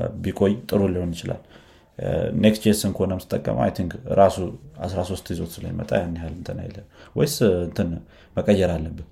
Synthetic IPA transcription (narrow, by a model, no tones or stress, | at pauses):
bikʼo̞jt̪ʼɨɾuliho̞njɪt͡ʃɪla̰l | nekst͡ʃesɨŋkəonəmsɨt̪ʼəkʼːə̰m̰a̰jt̪ʰiŋkɾasuasɾaso̞st̪jizo̞t̪sɨlə̰jmə̰t̪ʼajanːihalɨnt̪ʰəna̰j̰lənwɔjsɨnt̪ʰɨn | məkʼəjːɛɾalːəbːɨn